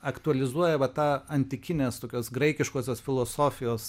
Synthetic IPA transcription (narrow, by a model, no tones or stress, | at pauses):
ɐkt̪ʊɐlʲɪzuɔjɛʋɐt̪ɑːɐnʲt̪ʲɪkʲɪnʲeːst̪oːkʲoːsɡɾɐɪkʲɪʃkoːsʲoːsfʲɪlˠoːsoːfʲɪjoːs